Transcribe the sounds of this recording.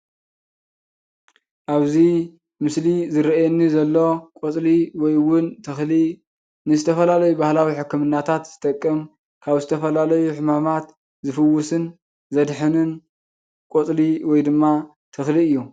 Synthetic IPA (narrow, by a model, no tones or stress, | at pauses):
ʔaβzi | mɨslizɨɾajɛnːizɐlːo̞kʼot͡sʼliwɔjwʊnt̪ʰɐxli | nɨzɨt̪ʰɐfɐlalɐjubahlawiħɨkːɨmɨnːat̪ʰat̪z̥ɨt̪ʼɐkʼːɨm | kʰaβzɨt̪ʰɐfɐlalɐjuħɨmamat̪ | zɨfɨwːʊsɨn | zɐd̪ħɨnɨn | kʼot͡sʼliwɔjd̪ɨmːa | t̪ʰɨxliɨjːu